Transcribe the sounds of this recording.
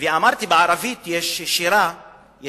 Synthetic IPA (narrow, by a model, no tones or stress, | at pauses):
viamaɾt̪ibʕaɾˤavit̪jɛʃʃiɾa | j